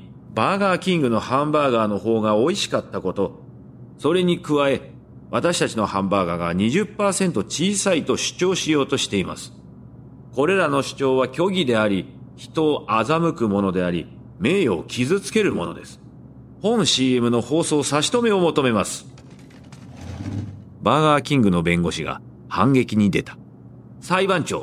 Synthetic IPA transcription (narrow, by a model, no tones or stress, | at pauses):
baːɡaːkʲĩŋɡɯ̟no̞hãmbaːɡaːno̞ho̞ːɡao̞iɕi̥kat̪ːako̞t̪o̞ | so̞ɾe̞ɲ̟ikɯ̟βae̞ | βat̪aɕi̥t̪at͡ɕino̞hãmbaːɡaːɡaɲ̟iʑɨpːaːsẽ̞nt̪o̞t͡ɕiːsait̪o̞ɕɨ̥t͡ɕo̞ːɕijo̞ːt̪o̞ɕi̥t̪e̞ima̰sɨ̥ | ko̞ɾe̞ɾano̞ɕɨ̥t͡ɕo̞ːβakʲo̞ɡʲid̪e̞aɾʲiçi̥t̪o̞ʔazamɯ̟kɯ̟mo̞no̞d̪e̞aɾʲḭ | me̞ːo̞kʲizɨt͡sɨ̥ke̞ɾɯ̟mo̞no̞̰d̪esɨ̥ | hõ̞ɰ̃ɕiːe̞mɯ̟no̞ho̞ːso̞ːsaɕi̥t̪o̞me̞o̞mo̞t̪o̞me̞masɨ̥ | baɡaːkʲĩŋɡɯ̟no̞bẽ̞ŋɡo̞ɕiɡa̰ | hãŋɡe̞kʲiɲ̟id̪e̞t̪ḁ | saibãɲ̟t͡ɕo̞ː